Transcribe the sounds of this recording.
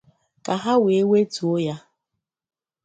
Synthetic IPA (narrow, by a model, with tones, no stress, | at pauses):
ka˨ɦa˦we˨e˦we˦tu˨o˦ja˦